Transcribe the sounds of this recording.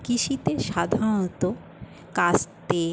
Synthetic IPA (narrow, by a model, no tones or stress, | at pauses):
kiʃit̪eʃad̪ʱãot̪o | kast̪e